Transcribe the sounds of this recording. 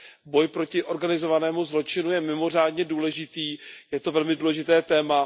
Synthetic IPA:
bo̞jpɾo̞cɪʔo̞ɾɡanɪzo̞vanɛːmuzlo̞t͡ʃɪnujɛmɪmo̞r̝aːdɲɛduːlɛʒɪt̪iːjɛt̪o̞vɛlmɪduːlɛʒɪt̪ɛːt̪ɛːma

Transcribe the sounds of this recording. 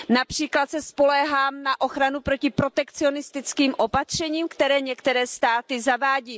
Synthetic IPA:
napr̝̥iːklat̪sɛspo̞lɛɦaːmnaʔo̞xɾanupɾo̞cɪpɾo̞t̪ɛkt͡sɪonɪst̪ɪt͡skiːmʔo̞pat̪r̥ɛɲiːmkt̪ɛɾɛːɲɛkt̪ɛɾɛːst̪aːt̪ɪzavaːɟiː

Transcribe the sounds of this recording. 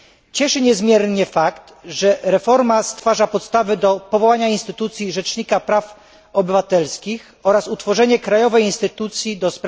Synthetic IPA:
t͡ɕɛʂɘɲɛzmʲjɛɾɲɛfakt̪ʐɛɾɛfɔɾmast̪faʐapɔt̪st̪avɘd̪ɔpɔvɔwaɲainst̪ɘt̪ut̪sʲjiʐɛt͡ʂɲikapɾaf | ɔbɘvat̪ɛlskʲix | ɔɾasut̪fɔʐɛɲɛkɾajɔvɛjinst̪ɘt̪ut̪sʲjid̪ɔspɾ

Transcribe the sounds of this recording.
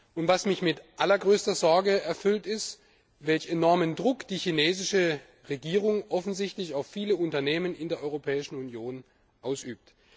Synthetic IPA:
ʔʊntv̥asmɪçmɪtʔalɐɡʁøːstɐzɔɐɡəɛɐfʏltɪst | vɛlçenɔɐməndʁʊkd̥iːçineːzɪʃə | ʁeɡiːʁ̞ʊŋʔɔfn̩zɪçtlɪçaʊfːiːləʊntɐneːmənɪndeːɐʔɔʏʁopʰɛːɪʃn̩unjoːn | ʔaʊsʔyːp̚t

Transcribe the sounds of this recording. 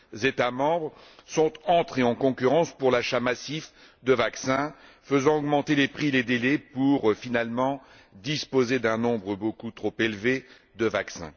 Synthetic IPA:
zet̪amɑ̃bʁsɔ̃t̪ɑ̃t̪χeɑ̃kɔ̃kʲyʁɑ̃spuʁlaʃamasif | d̪əvaksɛ̃ | fəzɑ̃ɔɡmɑ̃t̪elepχiled̪elɛpuʁfinalmɑ̃ | d̪ispozed̪ɛ̃nɔ̃bʁəbokut̪χopelve | d̪əvaksɛ̰̃

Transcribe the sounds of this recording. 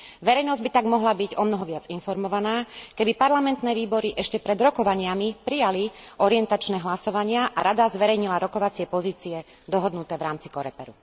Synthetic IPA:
ʋɛɾɛjnɔzɟbit̪aɡmɔɦlabiɟɔmnɔɦɔʋɪad͡zinfɔɾmɔʋanaːkɛbipaɾlamɛnt̪nɛːʋiːbɔɾiʔɛʃcɛpɾɛd̪ɾɔkɔʋaɲɪamipɾijali | ɔɾiɛnt̪at͡ʃnɛːɦlasɔʋaɲɪaʔaɾad̪azʋɛɾɛjɲilaɾɔkɔʋat͡sɪɛpɔziːt͡siɛ | d̪ɔɦɔd̪nut̪ɛːʋɾaːmt͡si̥kɔɾɛpɛɾṵ

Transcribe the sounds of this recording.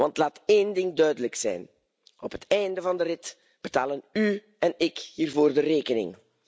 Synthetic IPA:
ʋɑntlaːteːndɪŋdœɥdələksɛ̰jn | ɔpɦətɛjndəvɑndəɾɪt | b̥ətaːləny | ɛnɪkhiːrvoːrdəreːkənɪ̰ŋ

